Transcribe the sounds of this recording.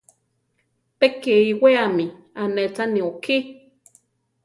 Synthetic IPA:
pekeiweami | anet͡sanioki

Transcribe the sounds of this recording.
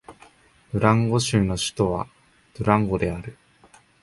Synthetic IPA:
b̥ɯ̟ɾãŋɡo̞ɕɨːno̞ɕi̥t̪o̞βa̰ | d̪̥oɾãŋɡo̞d̪e̞aɾɯ̟

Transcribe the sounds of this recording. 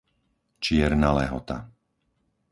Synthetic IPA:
t͡ʃɪɛɾnalɛɦɔt̪a̰

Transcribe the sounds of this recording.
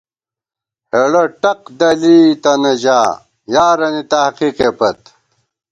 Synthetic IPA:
heɽɐʈɐq̚d̪ɐliːt̪ɐnɐd͡ʑaː | jaːɾɐnit̪ɐhqiqepɐt̪

